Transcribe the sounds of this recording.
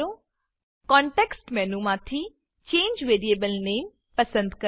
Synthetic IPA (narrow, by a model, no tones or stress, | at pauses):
o | kɔ̃ːɳʈeːksʈmɛnũmãːt̪ʰi | t͡ʃẽːɲd͡ʒʋeːɾieːbəlneːm | pɐsə̃nd̪kɐ